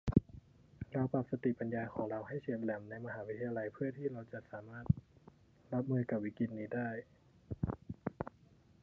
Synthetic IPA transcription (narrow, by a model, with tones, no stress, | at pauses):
ɾa˧˩wpaː˧˩p̚sa˧t̪i˨˩pa˨˧njaː˧kʰɔː˩˦ŋɾa˧wɦa˥˩jseː˧˩t̪̚lɛ˧˩mna˧˥jma˧ɦaː˨˦wi˦˥t̪ʰːa˧jaː˧la˧jpʰɯ˥˩ɐt̪ʰiː˧˥˩ɾa˧wt͡ɕa˧ʔsaː˩˦maː˥˩t̪̚ | la˧˦˥p̚mɯː˧jka˧˩p̚wiː˦˩ki˧t̪̚niː˧daː˥˩j